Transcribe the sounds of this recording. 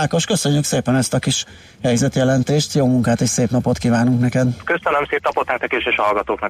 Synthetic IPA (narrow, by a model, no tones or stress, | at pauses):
aːko̞ʃkø̞søɲːykseːpɛnɛst̪ɒkiʃ | hɛjzɛt̪jɛlɛnt̪eːʃt̪joːmuŋkaːt̪eːʃseːpnɒpo̞t̪kiːvaːnuŋknɛkɛd̪køsønømseːp̚nɒpo̞t̪naːkt̪ɒkeʃeːʃɒɒlɡɒt̪oːknɒ